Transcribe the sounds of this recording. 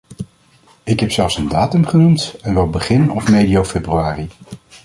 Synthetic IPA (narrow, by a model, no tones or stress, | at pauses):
ɪkɦɛpsɛlˠfsəndaːtɵmχənumtɛnʋɛlˠbəχɪnɔfmejdijowfebryaːri